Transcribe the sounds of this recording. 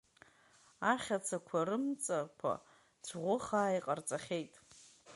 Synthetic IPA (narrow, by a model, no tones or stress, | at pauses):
aχʲat͡sʰakʷʰarɨmt͡sʼarkʷʰa̰ | t͡sʷʰʁʷʊχaːiqʼart͡sʼaχʲe̞jtʼ